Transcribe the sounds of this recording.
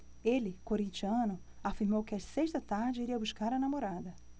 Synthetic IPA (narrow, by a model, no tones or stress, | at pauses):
elɪkoɾĩt͡ʃiɐ̃nʊ | afiɾmowkɪɐseʃt̪ɐt̪aɾd͡ʒɪiɾiɐbuʃkaɾɐnamoɾad̪ɐ